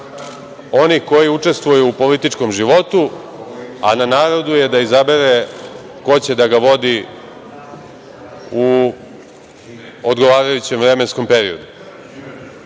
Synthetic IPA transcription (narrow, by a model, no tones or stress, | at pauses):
o̞nixko̞jiut͡ʂe̞st̪ʋojuːpo̞lit̪it͡ʂko̞mʒiʋo̞t̪u | ananaːɾo̞d̪uje̞d̪aizabe̞ɾe | ko̞t͡ɕe̞d̪aɡaʋo̞d̪i | u | od̪ɡo̞ʋaːɾajut͡ɕe̞mʋvɾe̞me̞nsko̞mpe̞ɾiod̪u